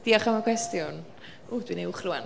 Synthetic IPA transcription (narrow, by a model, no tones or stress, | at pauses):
d̥iːɔχamakʰwɛstjʊn | uːdwineʊχrʊan